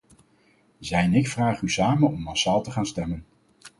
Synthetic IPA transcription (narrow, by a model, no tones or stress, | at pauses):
zɛjɛnɪkfraːχysaːmənɔmːɑsaːlˠtəχaːnstɛmən